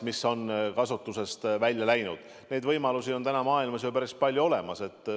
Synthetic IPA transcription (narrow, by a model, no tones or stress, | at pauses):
miso̞nkɑsut̪ˑːuse̞st̪vælʲːjɑlæjnud̪̥ | ne̞jd̪vɤjmɑlusio̞nt̪ænɑmɑːilmɑsjopæɾispɑlʲjuo̞le̞mɑse̞t̪ːˑ